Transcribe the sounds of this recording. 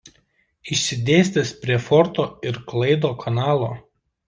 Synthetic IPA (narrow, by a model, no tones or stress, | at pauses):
ɪʃʲsʲɪd̪ʲeːsʲt̪ʲɛspʲɾʲiɛfɔɾt̪oːɪɾklˠɐɪd̪oːkʰɐnɑːlˠoː